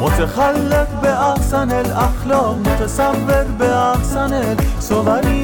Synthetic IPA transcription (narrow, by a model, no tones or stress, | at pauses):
mot̪ʰexalːekbeʔahsanelaxlɔːqmot̪ʰasavːeqbeahsanelsovaɾiː